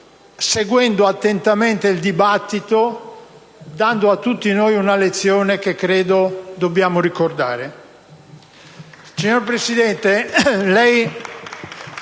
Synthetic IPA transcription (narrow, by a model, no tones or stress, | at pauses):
seɡwɛnd̪oat̪ːent̪ament̪eild̪ibat̪ːit̪o | d̪and̪oat̪ːut̪ːinojunalet̪sːjoːnekekːɾeːd̪od̪objaːmorikord̪aːɾe | siɲoɾpɾesid̪ɛnt̪elɛj